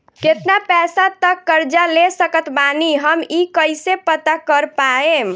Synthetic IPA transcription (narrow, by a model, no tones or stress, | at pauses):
ket̪napɛsat̪əkːəɾd͡ʒalesəkət̪baniɦəmikəjsepət̪akəɾpaem